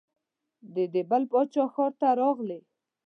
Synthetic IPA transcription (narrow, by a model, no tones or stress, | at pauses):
d̪əd̪ebalpɑt͡ʃɑxɔɾt̪aɾɑɣle